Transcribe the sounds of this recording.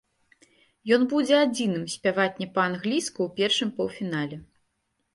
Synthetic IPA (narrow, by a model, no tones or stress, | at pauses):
jɔn̪bud͡zʲɛad͡zʲinɨmsʲpʲavat̪ʲnʲɛpɐanɣlʲiskuwpʲɛrʂɨmpɐwfʲinalʲɛ